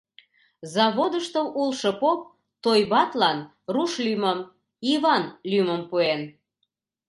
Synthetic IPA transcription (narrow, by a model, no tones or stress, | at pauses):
zɑβod̪əʃt̪əwulʃɤ̆pop̚ | t̪ojβɑt̪lɑn | ruʃlyməm | iβɑnlyməmpuen